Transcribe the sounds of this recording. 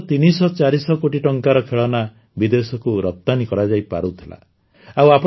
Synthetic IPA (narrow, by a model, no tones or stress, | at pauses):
t̪inisɔt͡ʃaɾisɔkoʈiʈɔŋkaɾɔkʰeɭɔna | bid̪esɔkuɾɔp̚t̪anikɔɾad͡ʒajpa̰ɾut̪ʰila̰ | awap